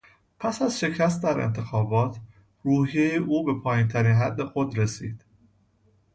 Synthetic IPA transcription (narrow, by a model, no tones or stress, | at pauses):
pʰæsæzʃe̞cʰæst̪̚d̪æɾḛnt̪ʰe̞xɒːbɒːt̪ʰ | ɾuːhijejeʔuːbe̞pʰɒːjint̪ʰæɾiːnɦæd̪ːe̞xo̞d̪ɾe̞sḭːd̪̥